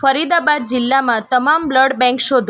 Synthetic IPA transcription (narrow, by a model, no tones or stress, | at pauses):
fəɾid̪abad̪̚d͡ʒɪlːamãt̪əmambləɽbɛ̃ŋkʃod̪ʱ